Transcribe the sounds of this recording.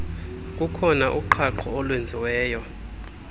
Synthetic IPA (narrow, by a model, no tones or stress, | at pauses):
k̬ʼukʰɔnaʔuǃʰaǃʰɔːlwend͡zʱiwɛːjɔ